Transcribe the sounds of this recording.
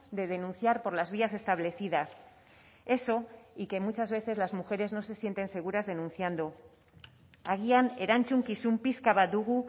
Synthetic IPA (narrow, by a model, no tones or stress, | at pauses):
d̪e̞ðe̞nũnθjaɾpo̞ɾlazβiase̞st̪aβ̞le̞θiðas | e̞so̞ike̞mut͡ʃazβe̞θe̞zlazmuxe̞ɾe̞zno̞se̞sje̞nt̪e̞nse̞ɣ̞uɾazðenũnθjand̪o̞ | aɣiane̞ɾant͡ʃuŋkisumpiskaβad̪uɣu